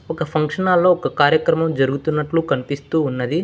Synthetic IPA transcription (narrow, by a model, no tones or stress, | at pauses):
ɔkɐpʰɐŋkʂɐnaːlːo̞ːkɐkaːɾjɐkɾɐmɐmd͡ʒɐɾuɡut̪unːɐʈlukɐnipist̪uːnːɐd̪i